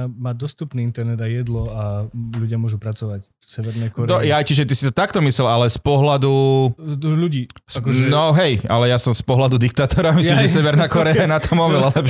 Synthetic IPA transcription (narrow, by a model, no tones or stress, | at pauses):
maːd̪ɔst̪upniːint̪ɛɾnɛd̪ajɛd̪lɔaluɟɪamʊɔʒupɾat͡sɔʋac | sɛʋɛɾnɛːkɔɾɔjajciʒɛt̪isi̥t̪ɔt̪akt̪ɔmislɛlalɛspɔɦlad̪u | ʎuɟiːsaknɔɦɛjalɛjasɔmspɔɦlad̪ud̪ik̚t̪aːt̪ɔɾamislimʒɛsɛʋɛɾnaːkɔɾɛajnat̪ɔmɔʋɛlalɛp